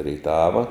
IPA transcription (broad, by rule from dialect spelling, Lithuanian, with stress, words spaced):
rʲeːɪˈtɑːʋɐ